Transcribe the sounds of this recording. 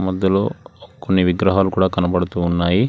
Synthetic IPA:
mɔd̪ːɐlo̰ːkonːiʋiɡɾɐɦaːlukuːɽaːkɐnɐpɐɽut̪uːnːaːji

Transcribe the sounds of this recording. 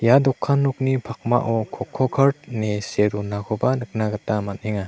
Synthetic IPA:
jadɔkʰːanːɔk̚nipʰak̚ma̰ʔɔkʰɔkʰːɔkʰaɾt̚neseɾunakʰɔbanɯk̚naɡatamat̚eŋa

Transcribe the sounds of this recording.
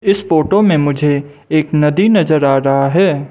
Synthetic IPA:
ɪsfoːʈomẽmʊd͡ʒʱe | eːknɐd̪inɐzəɾaːɾɐɦaɦɛː

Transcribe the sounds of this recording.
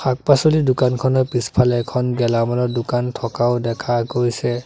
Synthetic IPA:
xʰak̚pasolidʊkankʰɔnɔpispʰalɛɛkʰɔnɡɛlamɔlɔdʊkantʰɔkaʊdɛkʰakojsɛ

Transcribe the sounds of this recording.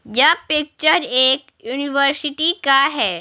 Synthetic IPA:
japɪk̚t͡ʃəɾeːk | juːniʋəɾsɪʈikaɦɛː

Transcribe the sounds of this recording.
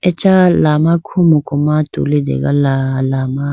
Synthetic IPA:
ɛt͡ʃalaːmakʰumukʊmat̪ṵlid̪ɛ̰ɡalalaːma

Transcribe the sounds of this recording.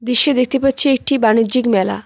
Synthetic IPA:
d̪iʃed̪ek̚ʰt̪epatːt͡ɕʰeek̚ʈibanid̪d͡ʑikmɛla̰

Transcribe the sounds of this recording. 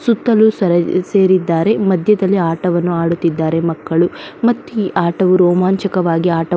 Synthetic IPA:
sut̪ːɐlusɐɾɐse̞ːɾid̪ːaːɾe̞mɐd̪ʱjɐd̪ɐlːiaːʈɐʋɐnːuaːɽut̪ːid̪ːaːɾe̞mɐkːɐɭumɐt̪ːiʔaːʈɐʋuɾɔːmaːnt͡ʃɐkɐʋaːɡiaːʈɐ

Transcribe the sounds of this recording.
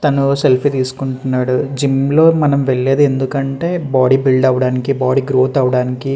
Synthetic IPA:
t̪ɐnuse̞lpʰit̪iːsu̥kuɳʈunːaːɽud͡ʒimlo̞ːmɐnɐmʋeɭːe̞ːd̪ue̞nd̪ukɐɳʈe̞ːbaːɽibiɭɖɐʋɐɽaːnikibaːɽiɡɾo̞ːt̪ɐʋɐɽaːniki

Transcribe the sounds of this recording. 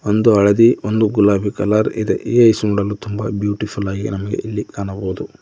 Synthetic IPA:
ond̪uɐɭɐd̪iond̪uɡulaːbʱikɐlɐɾid̪ḛʔiːɐjsunuɽɐlːut̪umbɐbjuːʈipʰulaːɡinɐmɐɡḛʔilːikaːnɐboːd̪u

